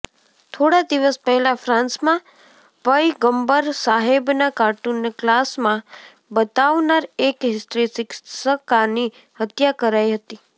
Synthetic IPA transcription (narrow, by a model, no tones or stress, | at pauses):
t̪ʰoɽad̪iʋəspəɦɛlafɾãnsmã | pəjɡəmbəɾsaɦebnakaʈunːklasmã | bət̪aʋnaɾekɦɪsʈɾisɪksəkani | hət̪jakəɾajɦət̪i